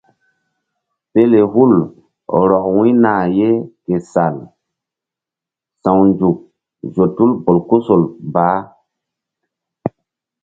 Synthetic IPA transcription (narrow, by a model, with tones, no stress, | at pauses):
pe˦le˨ɦu˦˨l | ɾɔ˨k̚wĩ˦naː˨je˦ke˨sa˨l | sã˨wnd͡ʒu˨k̚ | zo˨tu˦lbo˨lku˦so˨lbaː˨˦